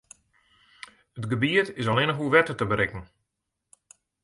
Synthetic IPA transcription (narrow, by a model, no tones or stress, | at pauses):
ətɡəbiətɪsɔlɪnəxuʋɛtətəbəɾɪkən̩